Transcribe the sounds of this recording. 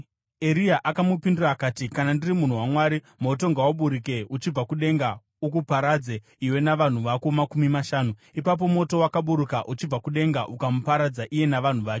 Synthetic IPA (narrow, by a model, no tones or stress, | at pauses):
e̞ɾiaʔakamupindurakaːtikanandirimun̤uwamwaɾi | mo̞to̞ŋɡawaɓuɾike̞ut͡ʃib͡vakuɗe̞ŋɡa | uk̬upaɾad͡ze | iwe̞naʋan̤uʋakomakumimaʃaːnuipap̬o̞mo̞to̞wakaɓuɾukaʔut͡ʃib͡vakuɗe̞ŋɡaʔukamupaɾad͡zaʔije̞naʋan̤uʋaːke